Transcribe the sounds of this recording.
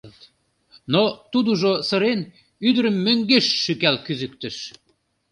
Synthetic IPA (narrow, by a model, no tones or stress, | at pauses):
t̪ | not̪ud̪uʒosə̆ɾen | yd̪əɾəmːøŋɡeʃːykælkyzyk̚t̪ə̆ʃ